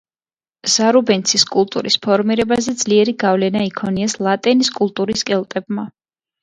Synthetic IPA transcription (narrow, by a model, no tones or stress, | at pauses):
z̥aɾubɛnt̪sʰiskʼulˠt̪ʼṵɾḭspʰɔɾmiɾɛbazɛd̪z̥liɛɾiɡavlɛnaikʰɔniɛslˠat̪ʼɛniskʼulˠt̪ʼuɾiskʼɛlˠt̪ʼɛbma